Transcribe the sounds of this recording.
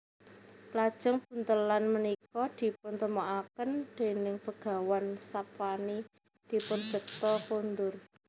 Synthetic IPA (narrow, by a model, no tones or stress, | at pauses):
plad̥ʒ̥ə̤ŋb̥ṳnt̪əlanmənikɔd̪̥i̤p̚ʊnt̪əmoʔakənd̪̥e̤nɪŋpəɡ̥a̤wansapwani | d̪̥i̤pʊnd͡ʒ̥ə̤k̚t̪ɔkund̪ʊr